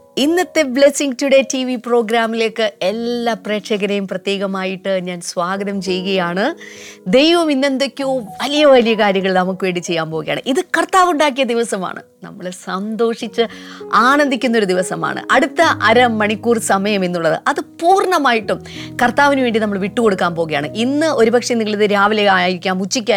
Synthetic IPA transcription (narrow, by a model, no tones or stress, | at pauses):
inːɐt̪ːe̞ble̞siŋɡtːuɽe̞tiʋipro̞ːɡɾaːmilekːɨe̞lːaːpre̞ːkʂɐɣɐɾɐjumprɐt̪jeːɣɐmaːjiʈːɨɲaːnsʋaːɡɐðɐmt͡ɕe̞jːuɣɐjaːɳɨd̪e̞jʋɐminːe̞nd̪ɐkʲːuʋɐlijɐʋɐlijɐkaːɾjɐŋːɐɭilnɐmukːɨʋe̞ːɳɖit͡ɕːe̞jːaːmpoːɣɐja̰ːɳɨʔiðɨkɐrt̪aːʋuɳɖaːk̬ːijɐd̪iʋɐsɐma̰ːɳɨ̰nɐ̰mːɐɭsɐnd̪o̞ːʂit͡ɕːɨaːɳɐnd̪ikʲːunːoɾud̪iʋɐsɐma̰ːɳɨ̰ʔɐɽut̪ːɐʔɐɾɐmːɐɳikːuːrsɐmɐjɐme̞nːuɭːɐðɨ̰ʔɐðɨpuːrɳɐmaːjiʈːum | kɐrt̪aːʋinʋeːɳɖinɐmːɐɭʋiʈːuko̞ɽukːaːnpo̞ːɣɐjaːɳɨʔinːɨo̞ɾubɐkʂɐnːiŋɡiɭiðɨɾaːʋɐleaːjiɾikʲːaːnut͡ɕːikʲːaː